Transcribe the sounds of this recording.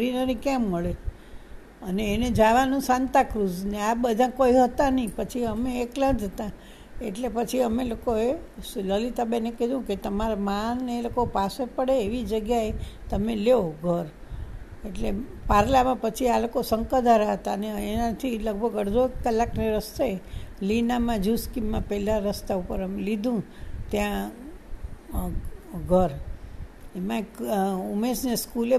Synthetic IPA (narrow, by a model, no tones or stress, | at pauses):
ɾinəɾĩkɛ̃mːəɭe | əneːned͡ʒaʋanũsãnt̪akɾud͡ʒneabəd̪ʱãkoiɦət̪anəĩpət͡ʃʰiəmeːkləd͡ʒʱət̪ã | ḛʈlepət͡ʃʰiəmelokoeləlit̪abeneked̪ʱũket̪əmaɾamanːeelokopasepəɽeːʋid͡ʒəɡjaet̪əmeleoɡʱəɾ | eʈle | paɾlamãpət͡ʃʰialokosəŋkəd̪ʱaɾaɦət̪aneːnãt̪ʰiləɡ̚bʱəɡəɽd͡ʒoekkːəlːakneɾəst̪eelinamãd͡ʒuskimːãpɛɦlaɾəst̪aupəɾəmelid̪ʱũ | t̪jã | ɡʱəɾ | emãekumesneskule